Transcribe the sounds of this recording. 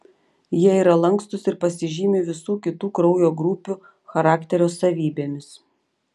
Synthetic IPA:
jiɛiːɾɐlˠɐŋkst̪ʊsɪɾpɐsʲɪʒʲiːmʲɪʋʲɪsuːkʲɪt̪uːkɾɔʊjoːɡɾʊpʲu | xɐɾɑːkʲt̪ʲɛɾʲoːsɐʋʲiːbʲeːmʲɪs

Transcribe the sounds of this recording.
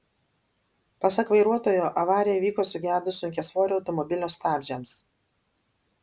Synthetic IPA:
pɐsɐkʋɐɪɾuɔt̪oːjoːʔɐʋɑːɾʲɪjɛʋʲiːkoːsʊɡʲæːd̪ʊsʊŋʲkʲɛsʋoːɾʲɐʊt̪ɔmɔbʲɪlʲoːst̪ɑːbʲd͡ʒʲɛms

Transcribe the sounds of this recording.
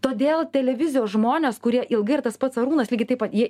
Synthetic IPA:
t̪oːd̪ʲeːlˠt̪ʲɛlʲɛʋʲɪzʲɪjoːsʒmoːnʲeːskʊɾʲiɛʔɪlˠɡɐɪɐɾt̪ɐspɐt̪sɐɾuːnɐslʲiːɡʲɪt̪ɐɪpɐt̪jiɛ

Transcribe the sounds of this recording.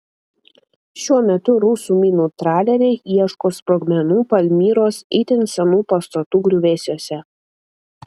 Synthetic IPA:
ʃʲuɔmʲɛt̪ʊɾʊːsuːmʲiːnuːt̪ɾɑːlʲɛɾʲɛɪʔiɛʃkoːspɾoɡmʲɛnuːpɐlʲmʲiːɾoːsɛɪt̪ʲɪnsʲɛnuːpɐst̪ɐt̪uːɡɾʲʊʋʲeːsʲoːsʲɛ

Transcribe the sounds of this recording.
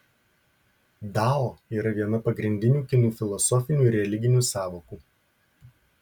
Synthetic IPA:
d̪ɑːoːiːɾɐʋʲiɛnɐpɐɡɾʲɪnʲd̪ʲɪnʲuːkʲɪnuːfʲɪlˠɔsɔfʲɪnʲuːɪɾʲɛlʲɪɡʲɪnʲuːsɑːʋoːkuː

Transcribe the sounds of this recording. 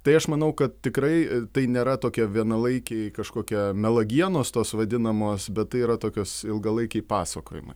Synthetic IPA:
t̪ɐɪɐʃmɐnɐʊkɐt̪̚tʲɪkɾɐɪt̪ɐɪnʲeːɾɐt̪oːkʲɛʋʲiɛnɐlˠɐɪkʲɛɪkɐʃkoːkʲɛmʲɛlˠɐɡʲiɛnoːst̪oːsʋɐd̪ʲɪnɐmoːsbʲɛt̪̚t̪ːɐɪiːɾɐt̪oːkʲoːsɪlˠɡɐlˠɐɪkʲɛɪpɑːsɐko̰ːjɪ̰mɐ̰ɪ

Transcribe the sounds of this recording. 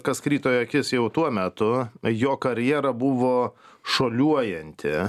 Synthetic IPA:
kɐskɾʲiːt̪oːjoɐkʲɪsjɛʊt̪uɔmʲæt̪ʊjoːkɐɾʲjiɛɾɐbʊʋoːʃoːlʲuɔjɛnʲt̪ʲɪ

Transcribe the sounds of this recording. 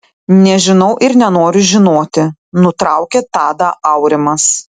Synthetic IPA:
nʲɛʒʲɪnɐʊʔɪɾnʲɛnoːɾʲʊʒʲɪnoːt̪ʲɪnʊt̪ɾɐʊkʲɛt̪ɑːd̪ɐʔɐʊɾʲɪmɐs

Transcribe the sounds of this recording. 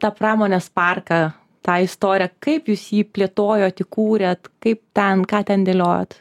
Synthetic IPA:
t̪ɑːpɾɑːmoːnʲeːspɐrkɐ | t̪ɑːɪst̪oːɾʲɪjɛkɐɪpjuːsjiːpʲlʲeːt̪oːjoːt̪ɪkuːɾʲet̪kɐɪp̚t̪ʲɛnkɑːt̪ʲɛnd̪ʲeːlʲoːjo̰ːt̪

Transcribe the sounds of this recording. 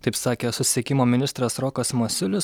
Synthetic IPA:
t̪ɐɪpsɑːkʲeːsʊsʲsʲɪɛkʲɪmoːmʲɪnʲɪst̪ɾɐsɾɔkɐsmosʲʊlʲɪs

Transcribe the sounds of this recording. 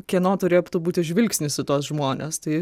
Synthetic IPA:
kʲiɛnoːt̪ʊɾʲeːjopt̪ʊbuːt̪ʲɪʒʲʋʲɪlʲksʲnʲɪsʲɪt̪oɔsʒmoːnʲḛst̪ɐɪ

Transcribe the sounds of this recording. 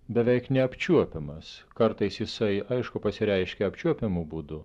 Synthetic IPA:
bʲɛʋʲɛɪknʲɛɐpʲt͡ʃʲuɔpʲɪmɐskɐɾt̪ɐɪsjɪsɐɪɐɪʃkʊpɐsʲɪɾʲɛɪʃʲkʲɛɐpʲt͡ʃʲuɔpʲɪmubud̪ʊ

